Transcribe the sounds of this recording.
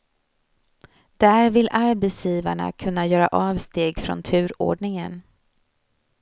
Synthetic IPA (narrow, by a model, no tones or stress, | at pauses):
d̪̥æɾvɪlʔaɾbɛsjiːvaɳa̰kʰɵnːajœːɾa̰ʔɑːvst̪eːɡfɾɔ̰nt̪ʰʉ̟ːɾo̰ːɖɳɪŋən